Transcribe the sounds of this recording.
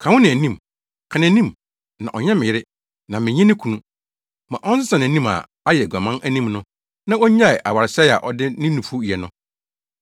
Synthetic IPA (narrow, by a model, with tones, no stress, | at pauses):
kʰã˨wʊ̃˦nɪ̃˨æ˨nĩ˦˨m | kʰa˨nã˨˦nĩ˦m | nã̰˨ʔɔ˨ɲɛ̃˦mɪ̃˨jɪ˦ɾɪ˦ | nã˨mɪ̃˨ɲɪ̃˦nɪ̃˦kʰu˨nũ˦ | mã˨ʔɔ̃˦n˦sɪ˦sã˨nɪ̃˨nĩ˦ma̰˨ | a˦jɛ˨ɡʷa˨mã˦nʔæ˦nĩ˦mnʊ̃˦ | nã˦o˦ɲ˦ã˦ɪ˨ʔa˨wa˨ɾɪ˨sɛ˦˨a̰˨ʔɔ˨dɪ˦nɪ̃˦nũ˨fu˦˨ɛ˨nʊ̃˦